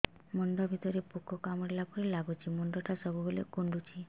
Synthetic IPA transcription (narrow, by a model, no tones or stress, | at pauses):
mɔɳɖ̪ɔbʱit̪ɔɾepukɔkamɔɽelapɔɾilaɡut͡ʃʰimɔɳɖɔʈʰasɔbʱubolekuɳɖut͡ʃʰi